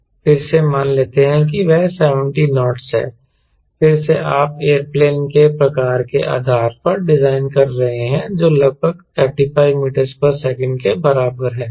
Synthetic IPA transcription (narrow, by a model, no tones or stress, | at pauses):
fɪɾsemaːnleːt̪eɦɛ̃k̬iʋɛɦsɛːʋə̃ɳʈinɔːʈsɦɛ̰ː | fɪɾseʔaːpeːəɾpleːnkepɾɐkaːɾkḛʔa̰ːd̪ʱaːɾpɐɾɖɪzaːɪnkɐɾːɐɦeɦɛ̃d͡ʒoːlɐɡ̚bʱəɡ | ɛːpʈifaːɪʋmiːʈəɾzpɐɾsɛːkə̃ɳɖkebɐɾaːbəɾɦɛ̃ː